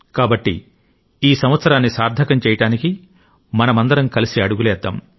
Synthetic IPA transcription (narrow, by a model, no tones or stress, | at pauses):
kaːbɐʈːḭ | iːsɐmʋɐt̪sɐɾaːnːisaːɾd̪ʱɐkɐmt͡ʃɛːjɐʈaːniki | mɐnɐmɐnd̪ɐɾɐmkɐlisiɐɽuɡulɛːd̪ːɐm